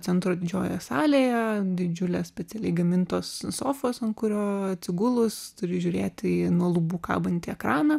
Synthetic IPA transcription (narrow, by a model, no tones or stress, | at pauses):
t͡s̪ʲɛnt̪ɾoːd̪ʲɪd͡ʒʲoːjɛsɑːlʲeːjɛd̪ʲɪd͡ʒʲʊlʲeːssʲpʲɛtt͡s̪ʲɛlʲɛɪɡɐmʲɪnt̪oːssoːfoːsɐnkʊɾʲoːɐt̪ʲsʲɪɡʊlˠʊst̪ʊɾʲɪʒʲʊːɾʲeːt̪ʲɪnuɔlˠubuːkɑ̰ːbɐnʲt̪ʲɪɛkɾɑːnɐ